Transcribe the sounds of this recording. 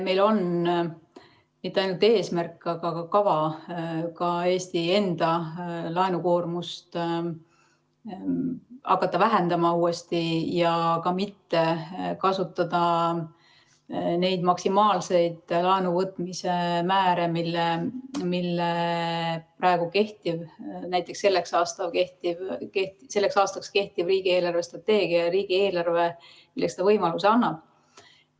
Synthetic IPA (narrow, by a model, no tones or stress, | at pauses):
me̞jlo̞n | mit̪ːeɑjnult̪e̞ːsmærkˑːɑɡ̥ɑɡɑkɑvɑ | kɑe̞ːst̪ie̞nd̪ɑlɑenuko̞ːrmust̪ | ɑ̰kːˑɑt̪ːɑvæɦe̞nd̪̥ɑmɑuːe̞st̪ijɑkɑmit̪ːe̞kɑsut̪ːˑɑd̪̥ɑ | ne̞jd̪mɑksimɑːlse̞jd̪̥lɑenuvɤt̪ːˑmise̞mæːɾe̞milːemilːe | prɑeɡ̥uke̞ht̪ivnæjt̪ːˑe̞kse̞lːeksɑːst̪ɑvke̞ht̪ivkeht̪ise̞lːeksɑːst̪ɑkske̞ht̪ivriːɡ̥ie̞ːlɑrve̞st̪rɑt̪ːe̞ːɡ̥iɑɾiːɡ̥ie̞ːlɑrve̞ | milːest̪ɑvɤjmɑluseɑnːɑb̥